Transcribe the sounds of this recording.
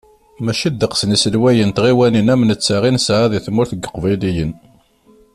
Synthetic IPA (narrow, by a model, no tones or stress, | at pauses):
mæʃid̪ːəqsnisəlwæjənt̪ʁiwæninæmənət͡sːaʁinsʕaðiθmʊɾθəɡːə̥qvæjlijən